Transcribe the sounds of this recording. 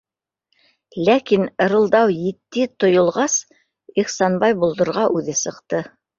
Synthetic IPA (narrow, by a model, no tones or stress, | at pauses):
lækin̆ɾɤ̆lˠd̪ɑwjit̪ːɘt̪ŏjŏlˠʁɑs | iχsɑnbɑjbulˠd̪ɤ̆ɾʁɑʔʉðɘsɤ̆qt̪ɤ